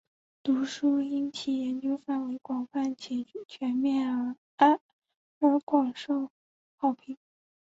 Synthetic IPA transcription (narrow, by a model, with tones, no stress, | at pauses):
t̪u˧˥ʂu˥i˥nt͡ɕʰi˥˩jɛ˧˥nt͡ɕjo˥ʊfa˥˩nwe˧˥ɪkwɑ˨˩ŋfa˥˩nt͡ɕʰɛ˧˥˩t͡ɕʰɥɛ˧˥nmjɛ˥˩nə˧˥ | ə˞˧˥kwɑ˨˩ŋʂo˥˩ʊ | xɑ˥˩ʊpʰi˧˩ŋ